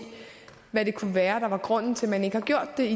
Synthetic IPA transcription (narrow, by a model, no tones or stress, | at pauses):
ʋæɾ̥e̝kʰuʋæːɐd̥ɑ̈ʋɑ̈ɡ̥ʁɔ̽n̰n̩t͡sʰe̝lmæne̝ɡəhɑ̈ɡ̥jo̝ɐ̰d̥ːe̝i